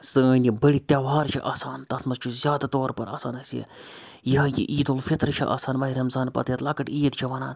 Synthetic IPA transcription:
sɨəːnʲjibɐɽit̪ʲjaːʋaːɾt͡ʃʰiʔaːsaːnt̪ɐt̪ʰmɐzt͡ʃʰuzʲjaːd̪ɐt̪oːɾpɐɾa̰ːsaːnɐsiɐ̰ | jiɦɐjḭʔiːd̪olfit̪ɾt͡ʃʰiʔa̰ːsaːnʋɐɦiɾɐmzaːnpɐ̰t̪jɐt̪lɐːkɐʈiːt̪t͡ʃʰiʋɐnaːn

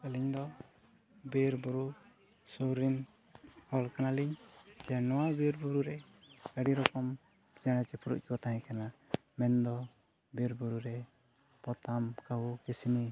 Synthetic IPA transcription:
əliɲd̪ɔ | beɾbuɾu | suɾin | hɔlkanaliɲd͡ʒɛnɔwabeɾbuɾuɾɛ | əɽiɾɔkɔm | d͡ʒaɽ̃ɛt͡ʃɛpʰuɾṵʔ̚kibɔt̪aɦɛ̃kana | mɛnd̪ɔ | beɾbuɾuɾɛ | pɔt̪amkabukɛsini

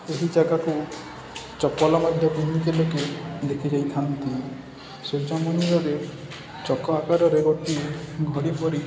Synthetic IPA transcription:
eɦid͡ʒaɡaku | t͡ʃɔpɔlɔmad̪ʱjɔpinːikeloked̪ekʰid͡ʒajt̪ʰant̪i | sed͡ʒamɔniɾɔɾe | t͡ʃɔkɔakaɾɔɾeɡɔʈieɡʱɔɽipɔɾi

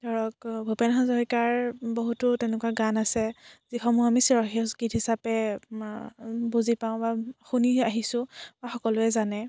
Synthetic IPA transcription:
dɔɹɔkbʱopenɦazɔɦikaɹbɔɦutʊtɛnɛkuaɡanasɛzixɔmuamisiɹɔxisɡitɦisapɛ | buzipaʊ̃baxuniaɦisʊ̃baxɔkɔlʊɛzanɛ

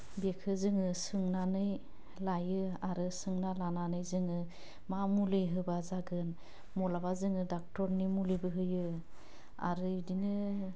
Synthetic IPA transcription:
bekʰɯzɯŋɯsɯŋnanɯj | lajɯaɾɯsɯŋnalananɯjzɯŋɯ | mamuleɦɯbazaɡɯn | mɔlabazɯŋɯdak̚tɔɾnimulibɯɦɯjɯ | a̰ɾɯdinɯ

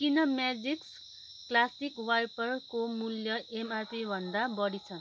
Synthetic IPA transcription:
kinʌmjad͡ziks | klasikwajpʌrkomuljʌʔemarpibʱʌnd̪abʌɽit͡sʰʌn

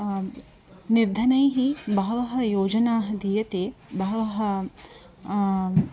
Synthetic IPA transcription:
niɾd̪ʱɐnɐjɦibɐɦɐʋɐɦɐjoːd͡ʒɐnaːɦɐd̪ijɐt̪eːbɐɦɐʋɐɦɐ

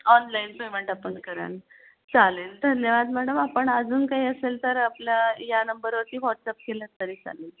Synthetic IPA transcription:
ɔnlainpemeɳʈapəɳkəɾa̰n | t͡saleːld̪ʱənjəʋad̪m̤aɽləmapəɳəd͡zuːnkaɦiəselt̪əɾapljajanəmbəɾʋəɾt̪iːʋɔʈsap̚kelə̃t̪əɾiːt͡sa̰leːl

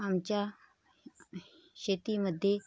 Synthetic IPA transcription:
amt͡ɕja | ɕet̪iməd̪ʱːje

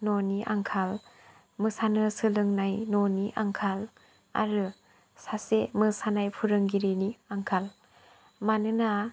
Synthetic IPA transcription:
noniʔaŋkʰal | mɯsanɯsɯlɯŋnajnɔniʔaŋkʰal | a̰ɾɯ | sasemɯsanajpʰuɾɯŋɡiɾiniaŋkʰal | manɯna

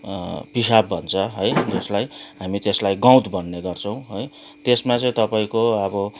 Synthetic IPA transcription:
pisabbʱʌnt͡sʰʌɦʌjd͡zeslajɦamit̪eslajɡãw̃t̪bʌnːeɡʌrt͡sʰʌw̃ɦʌj | t̪esmat͡sʌ̃ĩt̪ʌpaĩkoʌbʌ

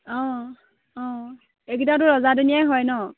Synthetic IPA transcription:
ɔ̃ | ɔ̃ | eɡitat̬ʊɹɔzadunijajɦɔjnɔ

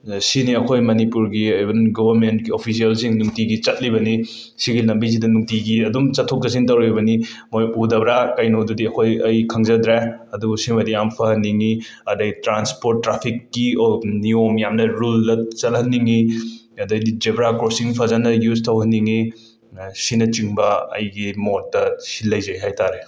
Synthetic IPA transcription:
siniɐkʰojmɐnipuɾɡiɐjbɐnɡobɐɾmentɡiopʰis̬iɐlsiŋnuŋtiɡit͡ʃɐt̚libɐni | siɡinɐmbis̬idɐnuŋtiɡiɐdumt͡ʃɐtʰːok̚d͡ʒɐs̬iŋtɐwɾebɐnimojudɐbɾakajnodudiɐkʰojɐjkʰɐŋzɐd̪ɾeɐdusimɐdiampʰɐhɐnːiŋiɐdɐɡtɾanspoɾt̚ːɾapʰikːiniomjamnɐɾulːɐt͡ʃɐt̚hɐnːiŋiɐdɐjdid͡ʒebɾakɾosiŋpʰɐzanɐjuztʰɐwɦɐnːiŋi | sinɐt͡ʃiŋbɐɐ̰jɡimotːɐsilːɐjzɐjɦajtaɾe

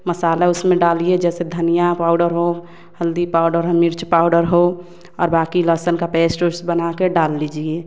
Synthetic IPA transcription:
məsaːlaʊsmẽɖaːlied͡ʒɛːsed̪ʱənijapaːʊɖəɾɦo | həld̪ipaːʊɖəɾɦomɪɾt͡ʃpaːʊɖəɾɦo | ɔːɾbaːkiləsənkapɛːsʈoɾsbənakeɖaːlːid͡ʒie

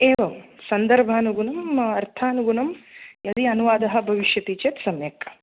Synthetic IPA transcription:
eːʋɐmsɐnd̪ɐɾbʱaːnuɡunɐmɐɾt̪ʰaːnuɡunɐmjɐd̪iɐnuʋaːd̪ɐɦɐ̆bʱɐʋiʃjɐt̪it͡ʃet̪sɐmjɐkːɐ

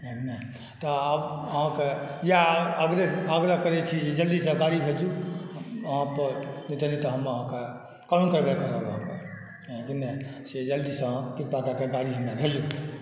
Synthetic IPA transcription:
enəɦ | t̪ɔəbəɦãkejaəɡɾeəɡɾəkəɾɛt͡ʃʰid͡ʒed͡ʒəld̪isə̃ɡaɾibʱed͡ʒu | əɦãpəɾnit̪əlit̪ɔɦəməɦãke | kaũkəɾbekəɾəbɦãkẽ | inɛsed͡ʒəld̪isə̃piɾpakakeɡaɾiɦəmnebʱelju

